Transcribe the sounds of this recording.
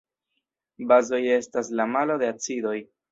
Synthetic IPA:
bazo̞je̞staslamalo̞d̪e̞at͡sido̞j

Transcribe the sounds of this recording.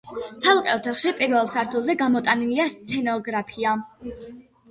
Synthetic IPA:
t̪sʰalˠqʼɛɔt̪ʰaχʃipʼiɾvɛlˠsaɾt̪ʰulˠzɛɡamɔt̪ʼaniliast̪sʰɛnɔɡɾapʰia

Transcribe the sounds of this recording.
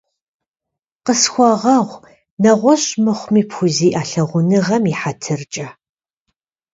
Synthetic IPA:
qəsxʷɔʁɐʁʷ | nɐʁʷɔɕʼmɨχʷmiːpxʷʊziːʔaːɬɐʁʷʊnɨʁɐmiħatʰɨrt͡ʃʼɐ

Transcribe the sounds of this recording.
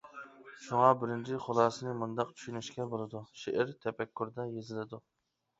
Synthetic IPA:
ʃuŋɑbɪɾɪnt͡ʃʰɪχolˠɑːsɨnɪmund̪ɑq̚t͡ʃʰy̥ʃynɪʃkʲɛbolˠɨd̪uʃeʔɪɾt̪ʰɛpɛkʲʰːuɾd̪ɛjezɪlɪd̪u

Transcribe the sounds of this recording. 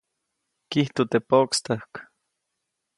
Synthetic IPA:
kiht̪ot̪epokst̪ahk

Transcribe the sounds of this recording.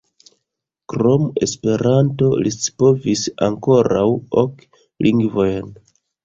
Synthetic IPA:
kɾome̞spe̞ɾanto̞̰lispovisaŋko̞ɾawok | lʔiŋɡvo̞jn

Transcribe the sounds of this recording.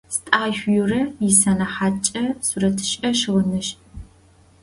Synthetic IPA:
stʼaːʃʷjurɐjɪsɐnɐħaːt͡ʃʼɐsurɐtʰɨ̥ʃʼɐʃɨʁʷʊnɨʃ

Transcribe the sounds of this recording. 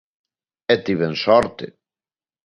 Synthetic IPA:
et̪iβensɔɾt̪ḛ

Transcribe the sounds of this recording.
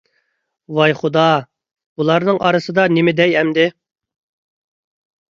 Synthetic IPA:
wɑjχud̪ɑ | bulˠɑɾnɨŋʔɑ̰ɾɨsɨd̪ɑnɪmɪd̪ɛjɛmd̪ɪ

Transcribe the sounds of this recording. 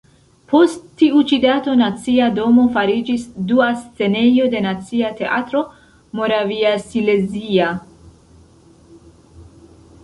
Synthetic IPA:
pʰo̞sttːiut͡ʃidato̞nat͡siado̞mo̞faɾid͡ʒisduast͡se̞ne̞jo̞de̞nat͡siate̞ʔa̰t̪ɾo̞ | mo̞ɾaviasile̞zia

